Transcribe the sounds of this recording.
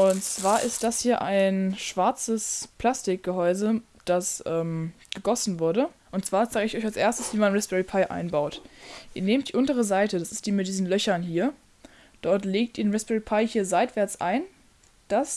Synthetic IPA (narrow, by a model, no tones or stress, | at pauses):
ʔʊntt͡sv̥aːɐʔɪst̚d̥ashiːɐʔaɪnʃv̥aɐt͡səspl̥astɪk̚ɡ̥əɦɔʏzə | d̥asʔɛːm | ɡ̥əɡɔsn̩vʊɐɾəʔʊntt͡sv̥aːɪzaːɡəɪçʔɔçalsʔeːɐstəsv̥iːmanʁɛsb̥ɛʁipʰaɪʔa̰ɪnbaʊtʔiːɐneːmtd̥iːʔʊntəʁ̞əzaɪtəd̥asɪst̚d̥iːmɪt̚d̥iːzn̩lœçɐnhiːɐ | d̥ɔɐtleːk̚tʔiːɐnʁɛsb̥ɛʁipʰaɪhiːɐzaɪtv̥ɛɐt͡sʔa̰ɪn | d̥as